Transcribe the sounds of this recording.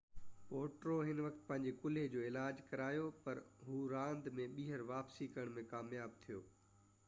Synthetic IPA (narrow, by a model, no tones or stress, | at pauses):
poːʈɾoɦɪnʋɐkt̪̚pɐ̃ɦɪ̃ɲd͡ʑekʊled͡ʑoːɪlaːd͡ʑkɐɾaːjopɐɾɦuːɾãːnd̪mẽɓiːɦəɾʋaːpsikɐɾəɽ̃mẽkaːmjaːb̚t̪ʰijoː